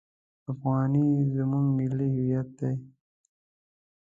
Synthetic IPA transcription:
afɣɑːnizəmuŋɡmɪlːihijat̪̚d̪ej

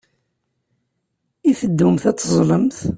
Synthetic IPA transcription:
iθəd̪ːumθæt͡sːəzˤləmθ

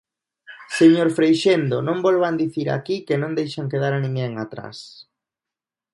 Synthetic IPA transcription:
seɲoɾfɾejʃend̪o̰nõmbɔlβand̪iθiɾa̰kikenõŋd̪ejʃaŋkeðaɾanĩŋɡeŋat̪ɾa̰s

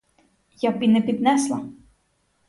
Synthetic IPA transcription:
japʲinɛpʲid̪nɛslˠɐ̰

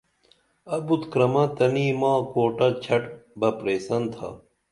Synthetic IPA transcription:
ɐbut̪kɾɐmɐt̪ɐniːmãːkoːʈɐt͡ɕʰɐʈbɐpɾeːsɐnt̪ʰɐ̰

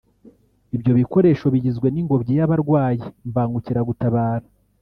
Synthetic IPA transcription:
ibjo̞βiko̞ɾe̞ːʃo̞βiɟizɡwe̞niŋɡo̞bɟijaβaɾɡwaːjiɱvaːŋɡuciɾaɡutaβaːɾa

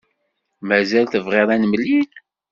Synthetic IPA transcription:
mæzælθəvʁeɾˤænmlːin

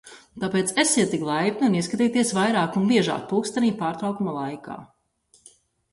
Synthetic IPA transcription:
t̪apeːt̪sesiɛt̪ːiklˠajpʲniuniskat̪iːt̪iɛsvajɾaːkunbiɛʒa̰ːk̚puːkst̪aniːpaːɾt̪ɾawkumalˠajka̰ː

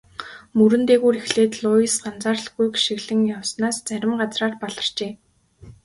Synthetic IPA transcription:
mɵɾɘ̆nt̪eːɣuːɾixɮeːt̪ɮʊisɢant͡saːrɮɡujkʃiɣɮɘ̆ŋjawsnaːst͡sæɾʲɪ̆mɢat͡sraːrpɔɮɞ̆r̥t͡ɕeː

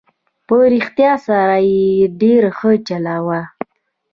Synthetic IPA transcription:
pəɾixt̪jɑsaɾajeɖeɾaxət͡ʃalawa

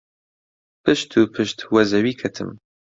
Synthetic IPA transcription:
pʰɨʃt̪ʰuːpʰɨʃt̪ʰwɐzɐwiːkʰɐt̪ʰɨ̰m

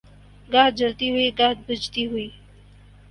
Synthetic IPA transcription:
ɡaːɦ̪̚d͡ʒəlt̪iɦuiɡaɦd̪̚bəd͡ʒt̪iɦʊiː

